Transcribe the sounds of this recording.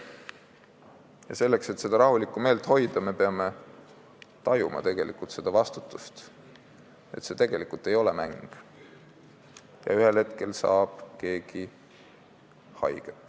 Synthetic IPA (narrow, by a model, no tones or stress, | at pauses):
jɑse̞lːe̞kse̞t̪ːse̞d̪̥ɑɾɑhulikːˑume̞ːlt̪ˑho̞jd̪̥ɑme̞peɑme̞ | t̪ɑjumɑ̰t̪e̞ɡ̥e̞likult̪se̞d̪̥ɑvɑst̪ut̪ːˑust̪ | e̞̰t̪se̞t̪e̞ɡ̥e̞likult̪ːˑe̞jo̞lemæŋɡ̥ | jɑ̰yhe̞lhe̞t̪ke̞lsɑ̰ːb̥ke̞ːɡ̥i | hɑ̰jɡ̥et̪ːˑ